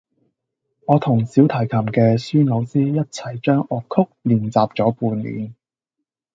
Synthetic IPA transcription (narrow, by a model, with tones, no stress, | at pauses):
ŋɔː˨˧t̪ʰʊ˨˩ŋsiː˨˥wt̪ʰɐ˨˩jkʰɐ˨˩mkɛː˧syː˥no˨˧wsiː˥jɐ˥t̚t͡sʰɐ˨˩jt͡ʃœː˥ŋʔɔː˨˧kʰːʊ˥k̚liː˨˩nt͡saː˨p̚t͡ʃɔː˨˥puː˧nlḭː˨˧n